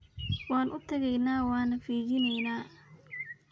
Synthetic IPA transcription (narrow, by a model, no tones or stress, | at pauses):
wɑːnʔʊt̪ʰɐɣɛjnaːwɑːnɐfiːɣɪnɛjnaː